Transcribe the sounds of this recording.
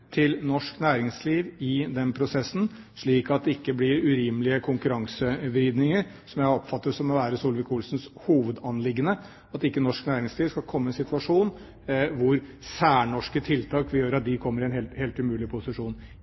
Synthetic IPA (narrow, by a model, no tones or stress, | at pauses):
t̪ʰɪlnɔʂknæːɾɪŋsliːʋɪd̪ɛnpʰɾʊsɛsːn̩ | ʂɭiːkɑt̪̚d̪ɛɪkːəblɪɾʉɾiːməlɪəkʰʊŋkʉɾɑŋsəʋɾɪd̪nɪŋəɾ | sɔmjæɪɔpfɑt̪ːəsɔmɔʋæːɾəsuːlʋɪkʰuːlsnshuːʋəd̪ɑnlɪɡːənə | ɑt̪ɪkːənɔʂknæːɾɪŋsliːʋskɑlkʰɔmːəɛnsɪt̪ʰʋɑʂuːn | ʋʊɾ | sæːɳɔʂkət̪ʰɪlt̪ʰɑːkʋɪjøːɾɑt̪̚d̪ɪkʰɔmːəɾɪɛnheːlt̪heːlt̪ʉmʉːlɪpʰʊsɪʂuːn